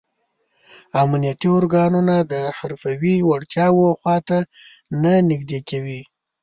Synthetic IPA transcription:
amnijat̪iʊɾɡɑnunad̪əhaɾfawiwaɽt̪jɑwoxwɑt̪a | nanɪɡd̪ekawi

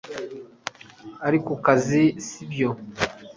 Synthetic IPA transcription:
aɾikukazisibjo

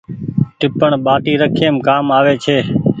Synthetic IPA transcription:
ʈɪpəɳɓaːʈiːɾəkʰeːmkaːmaːʋeːt͡ʃʰeː

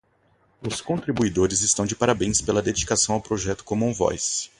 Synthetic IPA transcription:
ʊskõt̪ɾibuid̪oɾɪzɪst̪ɐ̃w̃d͡ʒɪpaɾabẽj̃spelɐd̪ed͡ʒikasɐ̃w̃awpɾoʒɛt̪ʊ̥kõmʊũvɔ̰js

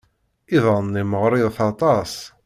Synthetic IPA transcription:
iðˤɑnːiməʁɾˤɪðθɑt̪ˤɑs

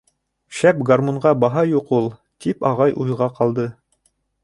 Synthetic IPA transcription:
ʃæpɡarmoɴʁɑbɑɦɑjuqulˠ | t̪ipɑʁɑjʔujʁɑqɑlˠd̪ɤ

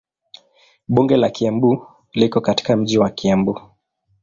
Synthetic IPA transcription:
ɓuŋɡɛlakiambu | likɔkati̥kam̩ʄiwakiambu

